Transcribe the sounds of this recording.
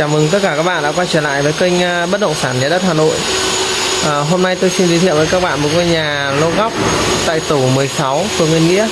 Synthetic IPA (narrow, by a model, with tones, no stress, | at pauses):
t͡ɕaː˧˩mɨ˨˩ŋt̪ə˦˥t̚kaː˧˩kaː˦˥k̚ɓa̰ː˧˨ɗ̰ːkwaː˧t͡ɕəː˧˩la̰ː˧˨jvəː˨˦jkï˧ŋ̟˧ɓə˦˥t̚ɗə̰˧˨ŋ͡msaː˧˩nzaː˨˧˩ɗə˦˥t̚haː˨˩no̰˧˨j | ʔəː˨˩ɦo˧mna˧jt̪o˧jsi˧nzi˨˦t̪ʰḭ˧˨wvːkaː˦˥k̚ɓa̰ː˧˨nmo˨˩t̚ŋo˧ɲaː˨˩ | lo˧ɣɔ˦˥wk͡p̚t̪a̰ː˧˨jt̪u˧˩mɨ˨˩əjsa˨˦wku˧˩əŋwi˧ənŋḭ˧˥ə